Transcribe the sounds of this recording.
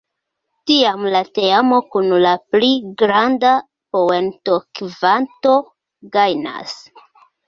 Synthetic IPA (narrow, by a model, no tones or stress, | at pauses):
tiamlate̞amo̞kunlapliɡɾanda | po̞e̞nto̞kvanto̞ | ɡajna̰s